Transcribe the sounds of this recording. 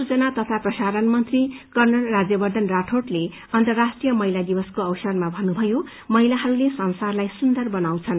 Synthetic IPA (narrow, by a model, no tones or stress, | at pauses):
sut͡sʌnat̪ʌt̪ʰaprʌsaɾʌnmʌnt̪rikʌrnʌlrad͡zjʌbʌrd̪ʱʌnraʈʰoʈle | ʌnt̪ʌrːasʈrijʌmʌɦilad̪ibʌskoʌwsʌrmabʱʌnːubʱʌjo | mʌɦilaɦʌɾulesʌnsarlajsund̪ʌrbʌnaw̃t͡sʰʌn